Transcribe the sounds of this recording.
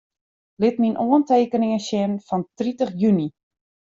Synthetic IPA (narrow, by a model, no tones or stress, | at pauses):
lɪtminʔoənteːkənɪŋəsɪnfɔntritəχjyni